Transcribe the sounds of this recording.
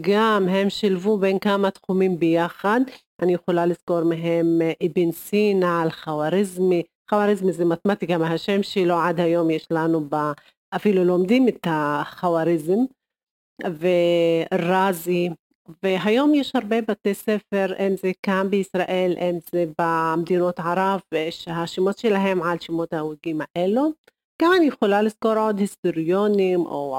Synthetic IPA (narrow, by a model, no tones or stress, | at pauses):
ɡamɦe̞mʃilvubenkamat̪χumimbejaχad̪ʔanijeχolalizko̞ɾmeɦemʔibinsinaalχawaɾizmi | χawaɾizmizemat̪mat̪iɡamhaʃemʃiloʕad̪hajo̞mjeʃlanuba | ʔafiluloːmd̪imet̪aχawaɾizem | veɾazi | veɦajomjeʃhaɾˤbebat̪esefeɾʔemzekambeisɾaʔelʔemzebamd̪inot̪ʕaɾˤɑvvejeʃhaʃimot̪ʃelaɦemʕalʃimot̪hawiɡimaʔelo | ɡ̥amanjexolaliskoɾʕod̪hist̪oɾjonimʔo̰